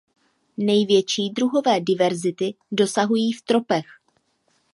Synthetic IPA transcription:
nɛjvjɛt͡ʃiːdɾuɦo̞vɛːdɪvɛɾzɪt̪ɪdo̞saɦujiːft̪ɾo̞pɛx

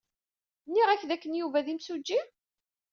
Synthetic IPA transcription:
nːiʁæçðækːənjuvæðimsud͡ʒːi

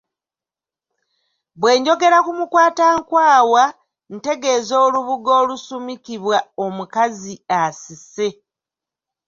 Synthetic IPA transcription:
βwe̞ːɲɟo̞ɡe̞ɾakumukwaːtaŋkwaːwa | n̩te̞ɡe̞ːzo̞ːluβuɡo̞ːlusumikiβwao̞mukaziasise̞

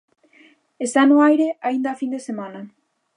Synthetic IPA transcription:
est̪anoajɾeaind̪aːfind̪esemanɐ

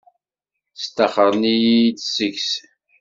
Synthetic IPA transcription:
st̪əχəɾˤnijid̪sːəçs

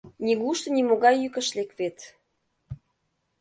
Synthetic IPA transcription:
nʲiɣuʃt̪ɤ̆nʲimoɣɑjykə̆ʃlekβet̪

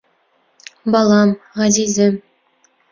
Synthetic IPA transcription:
bɑlˠɑmʁɑzʲizɘm

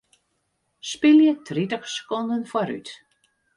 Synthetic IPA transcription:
spɪljətʰritəxsə̥kɔndənfɔɾy̰t

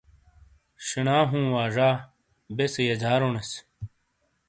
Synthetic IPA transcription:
ɕinaːɦũːwaːʐaː | besejɐd͡ʑaːɾones

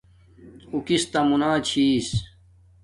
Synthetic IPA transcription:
ukist̪ɐmunaːt͡ɕʰiːs

